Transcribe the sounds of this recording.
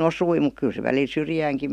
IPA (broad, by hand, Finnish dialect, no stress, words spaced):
osui muk kyl se ʋælil syrjæːŋki